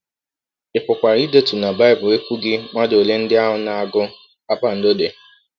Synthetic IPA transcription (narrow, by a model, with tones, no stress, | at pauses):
ɪ˨pʊ˨kʷa˨ɾi˦de˦tu˨na˨ba˦ɪ˦˨bʊ˨e˦kʷu˦ɡɪ˦ŋ͡ma˦do˨le˦n̩˦dɪ˦a˦ɦʊ˦na˨a˨ɡʊ˦ | a˦k͡pa˦n̩˨do˦de˨